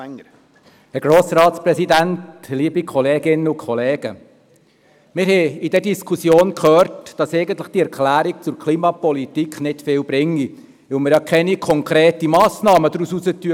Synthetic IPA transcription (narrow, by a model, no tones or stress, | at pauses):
hɛɾɡ̥ɾoːsɾɑːt̪sprɛsidæntliːbikʰɔleːɡɪnəʊkʰɔleːɡ̥ə̰ | mɪɾhɛidɛdiskʰusjoːnkhøːɾtd̥ɑsɛɪɡənt̪ləχd̥iɛɾkʰlæːɾik̚t͡sʊɾkʰliːmɑpɔlitikχnɪtfɪːlbɾɪŋːi | ʋɪlmɪɾjɑkʰɛnikʰɔŋkʰɾeːtimɑːsnɑːməd̥̪ɾususətyə